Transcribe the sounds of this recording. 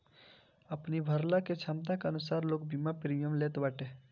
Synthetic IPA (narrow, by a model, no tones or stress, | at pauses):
ɐpnibʱɐɾlaket͡ʃʰamt̪̬akeɐnʊsaːɾloːɡ̚bimapɾijəmleːt̪ʋɐʈeː